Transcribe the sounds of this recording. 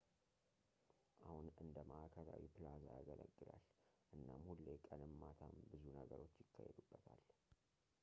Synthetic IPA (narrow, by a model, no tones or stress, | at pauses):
ʔahunɨnd̪əməʔakʰəɾawipʰɨlazaɡəlʔəɡːɨlalʔɨnːamhulːekʼənɨmːat̪ʰambɨzunəɡəɾo̞t͡ʃːjɪkːajhɛ̰d̪ubːət̪ʰal